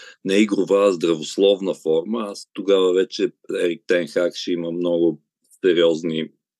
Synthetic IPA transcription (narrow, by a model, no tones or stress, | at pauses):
nɛiɡɾʊvazd̪ɾɐvoslˠɔvnəfɔɾməast̪oɡavəvɛt͡ʃɛɛɾik̚t̪ɛnxakʃɛiməmnɔɡʊ | sɛɾiɔzni